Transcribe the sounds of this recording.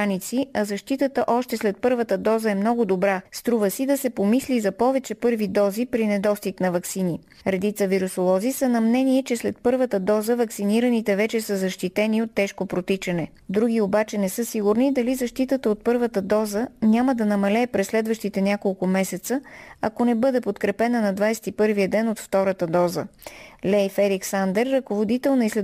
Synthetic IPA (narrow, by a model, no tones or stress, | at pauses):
anit̪siɐzɐʃt̪it̪ət̪əʔɔʃt̪ɛslɛt̪̚pɤɾvət̪əd̪ɔzəɛmnɔɡʊd̪obɾast̪ɾuvəsid̪ɐsɛpomislizɐpɔvɛt͡ʃɛpɤɾvid̪ɔzipɾinɛd̪ɔst̪iknɐvɐksini | ɾɛd̪it̪səviɾusolˠɔzisənɐmnɛniɛt͡ʃɛslɛt̪̚pɤɾvət̪əd̪ɔzəvɐksiniɾənit̪ɛvɛt͡ʃɛsəzɐʃt̪it̪ɛniot̪ːɛʃkopɾot̪it͡ʃɐnɛ | d̪ɾuɡ̟iobat͡ʃɛnɛsɤsiɡʊɾnid̪ɐlizɐʃt̪it̪ət̪əot̪̚pɤɾvət̪əd̪ɔzənʲaməd̪ɐnɐmɐlɛːpɾɛsːlɛd̪vəʃt̪it̪ɛnʲjakolˠkʊmɛsɛt̪səɐkonɛbɤd̪ɛpot̪kɾɛpɛnənɐd̪vajsɛ̥t̪ipɤɾvijəd̪ɛnot̪ft̪ɔɾət̪əd̪ɔzə̰lɛjfɛɾiksand̪ɛɾːɐkovod̪it̪ɛlˠnɐislɛ